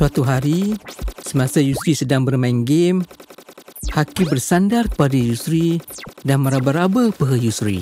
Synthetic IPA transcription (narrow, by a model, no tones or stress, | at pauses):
suat̪uɦaɾisəmãsajusɾisədaŋbərmaŋɡɪm | hakɪmbərsandarkə̥padajusɾidanməɾabaɾabəpəɦəjusɾḭ